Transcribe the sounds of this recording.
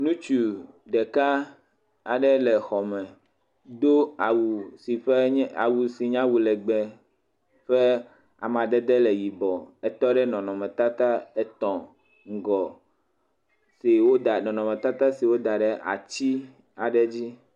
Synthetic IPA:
nũ˦t͡ʃu˨ | ɖɛ˨ka˦ | a˨ɖɛ˦lɛ˨xɔ˨mɛ̃˨ | d̪o˦a˨wu˨si˨ɸe˦a̰˨wu˨si˨ɲã˦wu˨lɛ˨ɡ͡bɛ˨ | ɸe˦ | a̰˨m˨ã˨d̪ɛ˦d̪ɛ˦lɛ˨ji˨bɔ˨ɛ˦t̪ɔ˦ɖɛ˦nɔ̃˨nɔ̃˨mɛ̃˨t̪a˦t̪a˦ɛ˦t̪ɔ̃˨ | ŋ̩˦˨ɡɔ˨ | si˨wo˦d̪a˨nɔ̃˨nɔ̃˨mɛ̃˨t̪a˦t̪a˦si˨wo˦d̪a˨ɖɛ˦ʔa̰˨t͡ɕi˦ | a˨ɖɛ˦d͡ʑi˦

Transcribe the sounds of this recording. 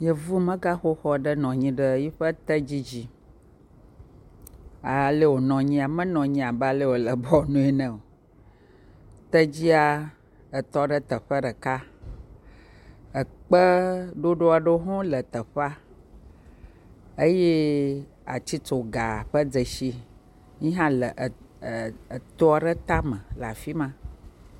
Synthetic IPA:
jɛ˦vu˦mə̃˦ɡa˦xo˦xɔ˦ɖə˦nɔ̃˨ɲĩ˦ɖə˦ji˦ɸə˦t̪ə˦d͡ʑi˦d͡ʑi˦ | a˨le˦wo˨nɔ̃˨ɲĩ˦a˨mə̃˦nɔ̃˨ɲĩ˦a˨ba˨le˦wo˨lə˨bɔ˦nũ˦e˦nə̃˨o˨ | t̪ə˦d͡ʑi˦a˦ | ə˨t̪ɔ˦ɖə˦t̪ə˨ɸə˦ɖə˨ka˦ | ə˨k͡pə˦ɖo˦ɖo˦a˨ɖo˦ɦɔ̃˦lə˨t̪ə˨ɸa˦ | ə˦je˦ | a̰˨t͡ɕi˦t̪o˨ɡa˨ɸə˦d͡zə˨ʃi˦ | ɲĩ˦ɦã˦lə˨ʔ | t̪o˦a˨ɖə˦t̪a˦mə̃˨la˨fi˦mã˦

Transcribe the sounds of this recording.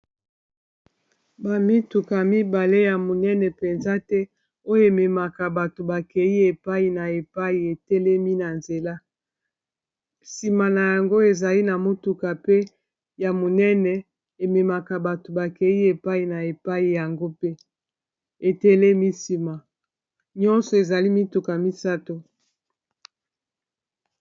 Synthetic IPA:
ba˨mi˦tu˨ka˨mi˦ba˨le˦ja˨mo˨nɛ˦nɛ˨pe˨nza˦tɛ˦ | o˦jo˦e˨me˨ma˨ka˨ba˨to˨ba˨kɛ˨ji˦e˨pa˦i˨na˨e˨pa˦i˨e˨tɛ˦lɛ˦mi˦na˨nze˨la˦ | si˨ma˨na˨ja˨ŋɡo˦e˨za˨li˦na˨mo˦tu˨ka˨pe˦ | ja˨mo˨nɛ˦nɛ˨ | e˨me˨ma˨ka˨ba˨to˨ba˨kɛ˨ji˦e˨pa˦i˨na˨e˨pa˦i˨ja˨ŋɡo˦pe˦ | e˨tɛ˦lɛ˦mi˦si˨ma˨ | ɲɔ̃˦nsɔ˨e˨za˨li˦mi˦tu˨ka˨mi˦sa˦to˦

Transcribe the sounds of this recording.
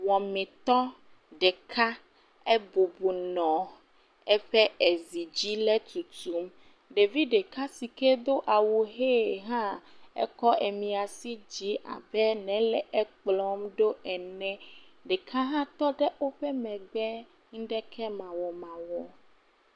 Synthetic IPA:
wɔ˨mĩ˨t̪ɔ˦ | ɖɛ˨kʰa˦ | ɛ˦bo˨bu˨nɔ̃˨ | ɛ˦ɸɛ˦e˨zi˨d͡ʑi˦lɛ˦t̪u˨t̪u˨˦m | ɖe˨vi˦ɖe˨ka˦si˨kɛ˦d̪o˦ʔa˨wo˨ɦe˦ɦã˦ɛ̰˦kɔ˦ɛ˨mĩ˨a˨si˦d͡ʑi˦ʔa̰˨bɛ˦nɛ̃˨˦lɛ˨ʔɛ˦k͡plɔ˦mɖo˦ɛ˨nɛ̃˦ɖɛ˨kʰa˦ɦã˦t̪ɔ˦ɖɛ˦o˦ɸɛ˦mɛ̃˨ɡ͡bɛ˦ | ŋ̩̃˦ɖɛ˦kʰɛ˦mã˨wɔ˨mã˨wɔ˨

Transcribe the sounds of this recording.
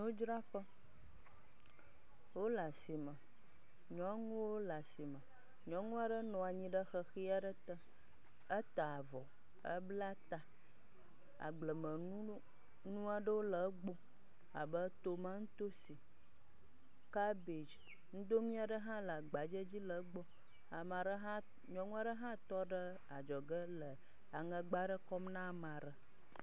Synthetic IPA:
ɲõ˦d͡ʒɾa˦ɸə˦ | wo˦la˨si˨mə̃˨ | ɲɔ̃˨˦ŋũ˦wo˦la˨si˨mə̃˨ | ɲɔ̃˨˦ŋũ˦a˨ɖə˦nɔ̃˨a˨ɲĩ˦ɖə˦xə˦xi˦a˨ɖə˦t̪ə˦ | ə˦t̪a˨a˨vɔ˨ | ə̰˦bla˦t̪a˨ | a̰˨ɡ͡blə˨mə̃˨ũ˦ | nũ˦a˦ɖə˦wo˦lə˨˦ɡ͡bo˦ | a̰˨bə˦t̪o˦mã˦ŋũ˦t̪o˦si˨ | ka˦be˨d͡ʒ | ŋũ˦d̪o˦mĩ˦a˦ɖə˦ɦã˦la˨ɡ͡ba˨d͡ʒə˦d͡ʑi˦lə˨˦ɡ͡bo˦ | a˨ma˨ɖə˦ɦã˦ | ɲɔ̃˨ŋu˦a˦ɖə˦ɦã˦t̪ɔ˦ɖə˦ | a˨d͡ʒɔ˨ɡə˦lə˨ | a˨ŋə̃˨ɡ͡ba˦ɖə˦kɔ˦mnã˦˨mã˨ɖə˦

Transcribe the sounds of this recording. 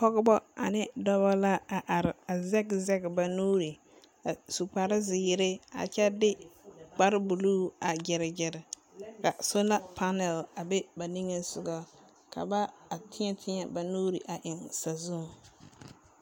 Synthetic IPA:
pɔ˦ɣɔ˦bɔ˦a˨nɪ˦dɔ˦bɔ˦la˦a˨ʔa˨ɾɪ˨a˨zɛ˦kzɛ˦kba˨nuː˦ɾi˨ | ka˨su˨k͡pa˨ɾɪ˦zɪ˨jɪ˦ɾɪ˦a̰˨t͡ʃɛ˦dɪ˦k͡pa˨ɾɪ˦bu˨luː˦a˨d͡ʒɪ˨ɾɪ˨d͡ʒɪ˨ɾɪ˨ | ka˨so˦la˦pʰa˦nɛ˨la˨be˦ba˨ni˦ŋe˦sʊ˨ɡɔ˦ | kʰa̰˨ba˦a˨tʰɪ˦ɲɛ˦tʰɪ˦ɲɛ˨ba˨nuː˦ɾi˨ʔa˨ʔɪ˨ŋsa˨zu˦˨

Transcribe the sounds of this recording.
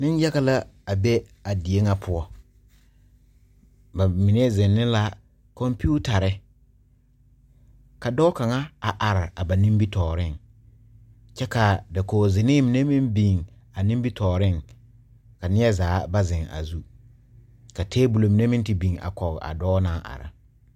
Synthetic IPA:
nɪ̃˦n˦jɛ˦ka˦la˦a˨be˦a˨di˨e˦ŋa˨pʰʊ˨ɔ˦ | ba˨mĩ˨n˦e˦zɪ̃˨nːɪ̃˦la˦ | kɔ̃˦mpu˦ta˨ɾɪ˦ | ka˨dɔː˦ka˨ŋa˦a˨ʔa˨ɾɪ˨a˨ba˨nĩ˦mbi˦tɔː˨ɾɪ̃˦˨ŋ | t͡ʃɛ˦ka˨da˨koː˨zɪ˨nɪ˦mi˨ne˦mĩ˦nbĩ˨ŋ | a˨nĩ˦mbi˦tʰɔː˨ɾɪ˦ŋ | ka˨nɪ˦ɛ˦zaː˨˦ba˦zɪ̃˨ŋa̰˨zu˦ | ka˨tʰeː˦bu˨lo˨mi˨ne˦mɪ˦ti˨bĩ˨ŋa̰˨kɔ˨ɣa̰˨dɔː˦naː˦˨ʔa̰˨ɾa̰˨

